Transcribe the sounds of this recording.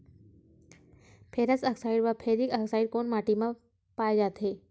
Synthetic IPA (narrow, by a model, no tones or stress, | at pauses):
pʰeɾət͡səksaiɖʋəpʰeɾiːkəksaiɽ̚koɳmaʈima | pajd͡ʒat̪ɦe